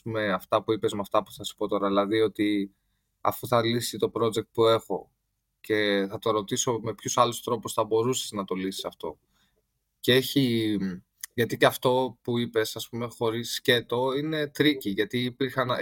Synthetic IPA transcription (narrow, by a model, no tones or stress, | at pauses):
pume̞ɐft̪ɐpuipezmeɐft̪ɐpu̥θɐsi̥po̞t̪o̞ɾɐðilɐðio̞t̪i | ɐ̰fuθɐlisit̪o̞pɾo̞d͡ze̞k̚t̪̚pue̞xo̞̰ | ce̞θɐt̪o̞ɾo̞t̪iso̞me̞pçosɐlust̪ɾo̞pusθɐbo̞ɾuse̥znɐt̪o̞lisi̥sɐft̪o̞̰ | cee̞çi | ʝɐt̪iceɐft̪o̞puipe̞sɐspume̞xo̞ɾisce̞t̪o̞ine̞t̪ɾiciʝɐt̪iːpiɾxɐn